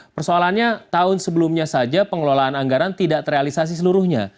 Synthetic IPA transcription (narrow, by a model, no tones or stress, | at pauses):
pərsoalanɲat̪aʊnsəbəlumɲasad͡ʒapəŋəlolaːnaŋɡaɾant̪idaʔt̪əɾealisas̬is̬əluɾʊhɲa̰